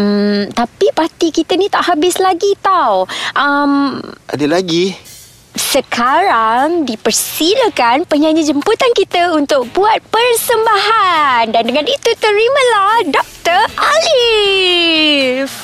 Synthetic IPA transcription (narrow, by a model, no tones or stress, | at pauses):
m̩t̪apipat̪ikit̪ənĩt̪aʔhabɪslaɡit̪awʔamʔa̰dəlaɡi | səkʰaɾaŋdipərsiləkanpəɲãɲəd͡ʒəmput̪ankit̪əunt̪ʊk̚buat̪̚pərsəmbaɦandandəŋãnit̪ut̪əɾiməlahdɔk̚t̪ərali | f